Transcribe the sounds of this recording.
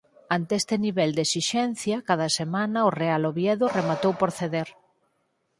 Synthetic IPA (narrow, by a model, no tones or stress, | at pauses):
ant̪eɛst̪eniβɛld̪esiʃɛn̟θjɐkað̞ɐsemanɐʊrealoβjɛðʊremat̪owpoɾθeðeɾ